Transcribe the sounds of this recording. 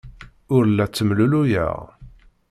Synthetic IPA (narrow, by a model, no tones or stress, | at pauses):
ʊɾlːæt͡sːəmlulujə̰ʁ